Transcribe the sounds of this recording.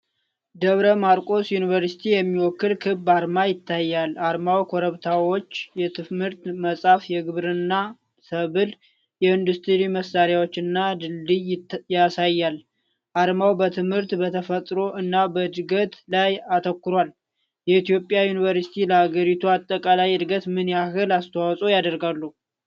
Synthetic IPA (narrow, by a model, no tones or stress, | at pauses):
d̪əβɾəmaɾkʼo̞sjunɨvəɾsi̥t̪ʰijɛmːiwɔkːɨlkʰɨbːaɾmajɪt̪ʰːajːalaɾmawkʰoɾəβt̪ʰawo̞t͡ʃːjɛt̪ʰɨmhɨɾt̪məsʼafjɛɡɨβɾɨnːa | səβɨl | jɛɨnd̪ust̪ʰɨɾiməsːaɾjawo̞t͡ʃːɨnːad̪ɨlːijjasajːal | ʔaɾmawbət̪ʰɨmhɨɾt̪bət̪ʰəfət̪ʼɾo̞ʔɨnːabəd̪ɨɡət̪lajat̪ʰəkːɨɾwal | jɛit̪ijo̞pʼːjajunivəɾsi̥t̪ʰiləhaɡəɾit̪ʰuat̪ʼːəkʼalajɨd̪ɡət̪mɨnjahɨlast̪ʰəwawsʼojad̪əɾɡalːu